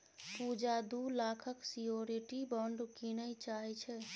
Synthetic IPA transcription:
pud͡ʒad̪ulakʰəksijoɾiʈibəɳɖkinəit͡ʃaɦɛt͡ʃʰɛ

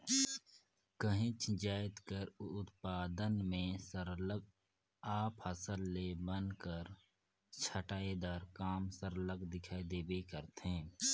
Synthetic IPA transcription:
kəɦɪ̃t͡ʃʰd͡ʒaːɪt̪kəɾʊt̪paːd̪ənmẽsəɾləɡ̚ | aːphəsəlːebənkəɾ | t͡ʃʰəʈaːed̪aːɾkaːmsəɾləɡd̪ɪkʰaːid̪eːbekəɾt̪ɦẽː

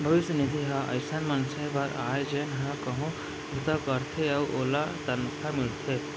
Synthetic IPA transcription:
bʱəʋisənid̪ʱiɦaʔə̰jsanmansəjʋaɾajd͡ʒenɦãkəɦũ | ut̪akəɾt̪ʰeawʔolat̪ənkʰamiɭt̪ʰe

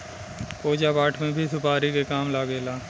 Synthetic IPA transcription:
poːd͡ʒapaːʈʰmẽbʱisʊpaːɾikekaːmlaːɡeːlaː

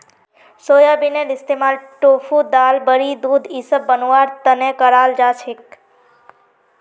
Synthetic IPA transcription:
soːjabinelɪst̪emalʈofud̪albəɾid̪ud̪ʱisəbːənuʋaɾt̪ənekəɾald͡ʒat͡ʃʰek

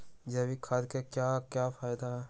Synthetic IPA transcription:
d͡ʒɐbikʰaːd̪kekjaːkjaːfaːɪd̪aɦɛ

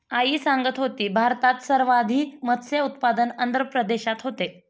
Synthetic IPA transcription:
aiːsaŋɡət̪ɦot̪iːbʱaɾt̪at̪səɾʋad̪ʱiːmət̪seut̪pad̪ənənd̪ɾəpɾəd̪eɕat̪ɦot̪e

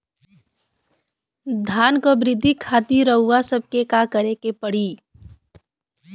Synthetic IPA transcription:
d̪ʱaːnkobɾɪd̪ʱːikʰaːt̪iɾəɦːasəb̚ʱkekakəɾekepəɽ̤iː

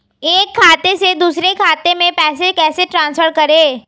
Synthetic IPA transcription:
eːkʰːaːt̪esed̪uːsɾekʰaːt̪emẽpɛːsekɛːseʈɾãːnspʰəɾkɐɾeː

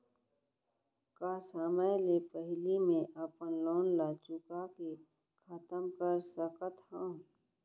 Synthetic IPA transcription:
kasaːmajlepəɦlimẽʔəpənloːnlaːt͡ʃukake | kʰaːt̪əmkəɾsəkət̪hã

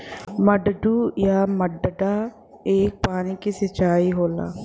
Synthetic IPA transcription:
məɖɖuːjaːməɖɖaː | eːk̚paːniːkisət͡ʃaːiːɦoːla̰ː

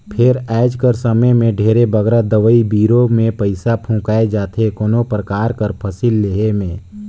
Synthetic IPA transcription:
pʰɪɾɛːd͡ʒkəɾsəməjmẽɖʱeːɾebəɡɾad̪əʋəibiːɾomẽpəɪsapʰũːkaːed͡ʒaːt̪ʰekonõpɾəkaːɾkəɾpʰəsilːeɦemẽː

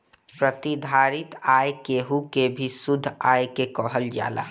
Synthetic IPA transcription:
pɾət̪id̪ʱaːɾɪt̪aːjkeɦukebʱisʊd̪ʱːaːjkekɔːɦəld͡ʒa̰ːla̰ː

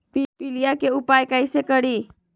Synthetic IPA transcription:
pipilijakeupajkajsekəɽi

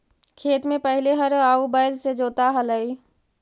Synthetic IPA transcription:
kʰeːt̪mẽpəɦɪleɦəɾaːubaːɪlsed͡ʒoːt̪aɦələi

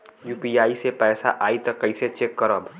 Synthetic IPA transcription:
juːpiaːisepɛːsaʔaːit̪ɔkəɪset͡ʃekːəɾəb

